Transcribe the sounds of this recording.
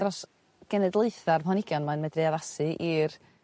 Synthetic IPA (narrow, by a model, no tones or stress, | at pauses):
rɔs | ɡ̥ɛnɨdlˠeɨθarpɔnɪɡjɔnmanmɛdreaðasɨʔir